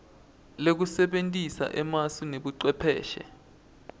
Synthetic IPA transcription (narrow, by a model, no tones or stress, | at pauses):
lek̬usɛɓentʼisa̰ʔɛmaswineɓuǀwɛpʰɛːʃɛ̰